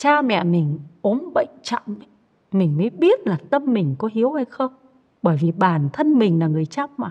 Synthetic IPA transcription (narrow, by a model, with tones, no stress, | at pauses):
t͡ɕaː˧mɛ̰˧˨mï˨˩ŋ̟ʔo˨˦ənɓə̰˧˨jŋt͡ɕɔ̰˧˨m˨˩ | mï˨˩ŋ̟məː˨˦jɓi˦˥ət̚laː˨˩t̪ə˧mːï˨˩ŋ̟kɔ˨˦hi˨˦əwha˧jxə˧wŋ͡m | ɓəː˧˩jvi˨˩ɓaː˧˩nt̪ʰə˧nmï˨˩ŋ̟laː˨˩ŋɨ˨˩əjt͡ɕa˦˥p̚maː˨˩